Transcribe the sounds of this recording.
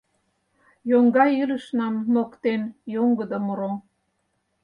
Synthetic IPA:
joŋɡɑjyləʃnɑmːokt̪enjoŋɡə̆d̪omoɾo

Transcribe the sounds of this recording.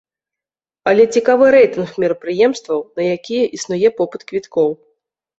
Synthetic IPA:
ɐlʲɛt͡sʲikavɨɾɛjt̪ɨnxmʲiɾɐpɾɨjɛmst̪vɐwnɐjakʲijɛʔisnujɛpɔpɨt̪kvʲit̪kɔw

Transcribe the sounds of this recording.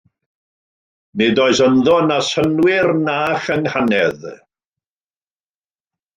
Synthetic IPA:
nedɔɨsənðɔnasənwɪrnaːχəŋhanɛð

